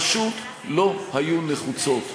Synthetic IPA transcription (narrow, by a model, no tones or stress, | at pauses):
ʃut | lo̞hajune̞χut͡so̞t̪